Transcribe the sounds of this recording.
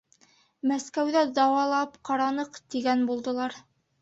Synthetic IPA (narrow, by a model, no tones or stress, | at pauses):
mæskæwðæd̪ɑwɑlˠɑpqɑɾɑnɤqt̪iɡænbulˠd̪ɤ̆lˠɑɾ